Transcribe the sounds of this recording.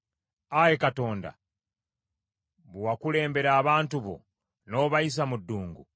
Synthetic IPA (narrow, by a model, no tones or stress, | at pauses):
ajekato̞ːnda̰ | βwwakule̞ːmbe̞ɾaːβaːntuβo̰ | no̞ːβajis̬amudːuːŋɡu